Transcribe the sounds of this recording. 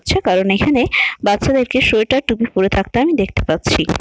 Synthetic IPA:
tːɕʰekaɾonekʰanebatːɕʰad̪eɾkeʃoeʈaʈubikoɾet̪ʰak̚t̪eamid̪ekʰt̪epat̪ːɕʰi

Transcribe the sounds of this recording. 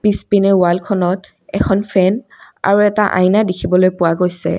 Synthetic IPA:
pispinɛʊwalkʰɔnɔt | ɛkʰɔnpʰɛn | a̰ɹuɛtaʔa̰jnadikʰibɔlojpʊwaɡojsɛ̰

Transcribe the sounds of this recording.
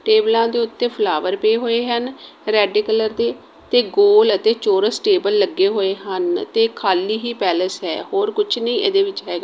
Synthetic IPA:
ʈeːblãːd̪eːʊt̪ːẽːpʰlaːʋəɾpeeːɦoːeːɦən | ɾɛːɖeːkələɾd̪eː | t̪eːɡoːlət̪eːt͡ʃoːɾəsʈeːbəlːəɡːeːɦoːeːɦənt̪eːkʰaːliːɦiːpɛːləsɦɛ̰ːhoːɾkʊt͡ʃʰnə̃ĩːʔḛd̪eːʋɪt͡ʃɦɛːɡaː

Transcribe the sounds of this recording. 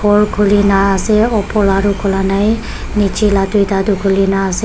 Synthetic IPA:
poɭkʰulinaːseɔpʰɔɭaɾukʰulanaj | nit͡ʃilad̪uid̪ad̪ukʰulinaːse

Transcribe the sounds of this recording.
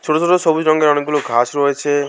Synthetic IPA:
t͡ʃʰoʈot͡ʃʰoʈosɔbud͡ʒɾɔŋɡeɾɔɽ̃eɡ̚ɡuloɡʱasɾɔet͡ʃʰe

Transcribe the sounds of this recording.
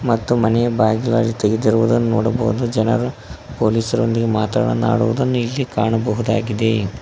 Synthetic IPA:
mɐt̪ːumɐnɛjɐbaːɡilaːɾit̪eɡed̪iɾuʋud̪ɐnːuno̰ːɽɐbɐɦud̪ud͡ʒɛnɐ̰ɾupo̞ːliːsɐɾo̞̰nd̪iɡe̞maːt̪ɾa̰ːɽɐna̰ːɽuʋud̪ɐnːuilːikaːɳɐbɐɦud̪aːɡid̪e̞

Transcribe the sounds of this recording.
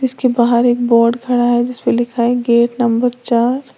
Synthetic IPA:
d͡ʒɪskebaɦaɾeːk̚bɔːɾɖkʰɐɽaɦɛd͡ʒɪspelɪkʰaɦɛɡeːʈnɐmbəɾt͡ʃaːɾ

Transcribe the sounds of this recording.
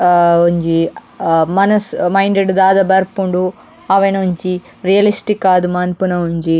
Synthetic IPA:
oɲd͡ʒi | mɐnɐsmɐjɳɖeɖd̪aːd̪ɐbɐɾpuɳɖu | ɐʋɐnoɲt͡ʃi | ɾijɐlisʈikːaːd̪umaːnpunɐuɲd͡ʒi

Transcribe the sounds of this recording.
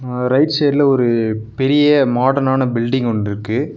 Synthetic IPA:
ɾɐɪʈseːɾlɐɔɾɯpɛɾɪjɐmaːɽɐnaːnɐbɪlɖɪŋɡɔɳɖɪɾɯkːɯ

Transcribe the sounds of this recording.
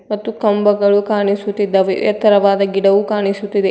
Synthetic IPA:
mɐt̪ːukɐmbɐɡɐɭukaːɳisut̪ːid̪ːɐʋḭjɐ̰t̪ːɐɾɐʋaːd̪ɐɡiɽɐʋukaːɳisut̪ːid̪e

